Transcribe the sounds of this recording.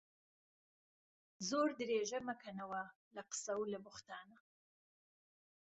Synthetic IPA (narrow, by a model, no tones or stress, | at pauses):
zoɾd̪ɾeʒamakanawa | laqə̥sawlabʊxt̪ɑːna